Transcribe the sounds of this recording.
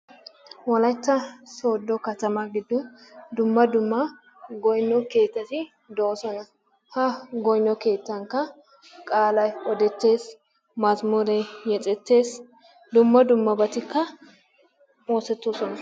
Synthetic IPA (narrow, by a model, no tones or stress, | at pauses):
wɔlɐjt̪ːɐsoːd̪ːɔkɐt̪ɐmɐɡɪd̪ːʊd̪ʊmːɐd̪ʊmːɐ | ɡɔjnːɔke̞ːt̪ːɐt̪ɪ | d̪ɔɔsɔnɐ | hɐɡɔjnːɔke̞ːt̪ːɐŋkːɐ | kʼaːlɐjɔd̪ɛt̪ːe̞ːs | mɐzmuɾɛjjɛt͡sʼɛt̪ːe̞ːs | d̪ʊmːɐd̪ʊmːɐbɐt̪ɪkːɐ | moːsɛt̪ːosɔnɐ